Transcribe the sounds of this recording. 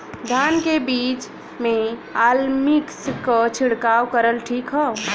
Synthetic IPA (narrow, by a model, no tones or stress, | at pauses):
d̪ʱaːnkebiːt͡ʃ | mẽaːlmikskət͡ʃʰiɽkaːwkəɾəlʈʰiːkɦɔ